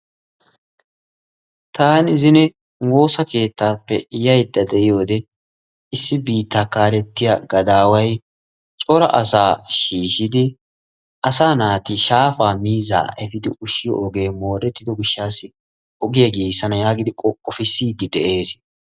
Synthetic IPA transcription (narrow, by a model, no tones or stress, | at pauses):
t̪ʰaːnɪzɪnɛ | wo̞ːsɐke̞ːt̪ːaːpːɛɪjɐjd̪ːɐd̪ɛʔɪjo̞ːd̪ɛ | ɪsːɪbiːt̪ːakaːɾɛt̪ːɪjɐɡɐd̪aːwɐj | t͡ʃʼɔɾɐ̰ʔɐsaːʃiːʃɪd̪ɪ | ʔɐsaːnaːt̪ɪʃaːfaːmiːza̰ːʔɛfɪd̪ɪʔʊʃɪjɔ̰ʔɔɡeːmo̞ːɾɛt̪ːɪd̪ɔɡɪʃːaːsɪ | ɔɡɪjɐɡeːsːɐnɐjaːɡɪd̪ɪkʼɔkʼːɔfɪsːiːd̪ɪd̪ɛʔe̞ːs